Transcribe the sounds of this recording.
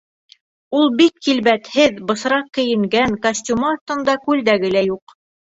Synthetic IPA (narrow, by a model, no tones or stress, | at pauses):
ulˠbikːilβæt̪hɘðbɤ̆sɾɑq̚kɘ̆jɘ̆ŋɡæŋkɐsʲtʲumɑːst̪ɤ̆nd̪ɑkʉld̪æɡɘ̆læjuq